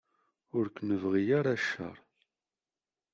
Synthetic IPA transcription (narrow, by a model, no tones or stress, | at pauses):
ʊɾknəvʁijaɾaʃːə̰ɾˤ